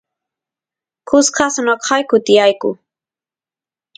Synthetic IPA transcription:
kʊsqʰɑsanoqʰɑjkʊt̪ɪjajkʊ̰

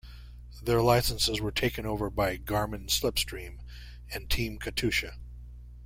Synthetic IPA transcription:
ðə˞laɪsə̃nsɨzwə˞tʰeɪkɨ̃noʊvə˞baɪɡɑɹmɨ̃nslɪpstɹ̥ĩm | ɨ̃ntʰĩmkʰɨtʰʉʃɨ

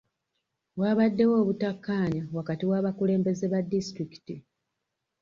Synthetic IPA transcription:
βwaːβadːe̞wo̞ːβutakːaːɲawakatiwaːβakule̞ːmbe̞ze̞βadːistɾiki̥ti

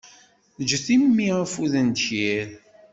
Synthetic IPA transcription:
d͡ʒəθimːiʁəfuðənd̪ʃjæl

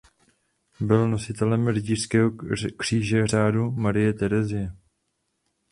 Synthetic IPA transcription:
bɪlno̞sɪt̪ɛlɛmrɪɟiːr̥skɛːɦokr̝̥iːʒɛr̝aːdumaɾɪjɛt̪ɛɾɛzɪjɛ

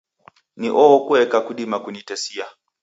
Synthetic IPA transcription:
niʔɔːkuɛkakuɗimakunitɛsia

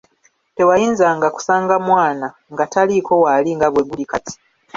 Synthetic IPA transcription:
te̞wajiːnzaŋɡaku̥saːŋɡamwaːna | ŋɡataliko̞waliŋɡaβweβulikati̥

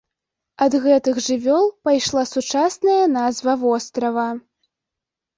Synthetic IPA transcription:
ɐd̪ɣɛt̪ɨɣʐɨvʲɔlˠpajʂlˠasut͡ʂasnɐjɐn̪azvɐvɔst̪ɾɐvɐ

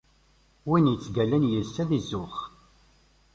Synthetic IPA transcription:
winjət͡sːɡælænjəlsæðizːʊχ

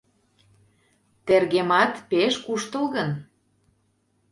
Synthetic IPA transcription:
t̪erɣemɑt̪peʃkuʃt̪əlɣən

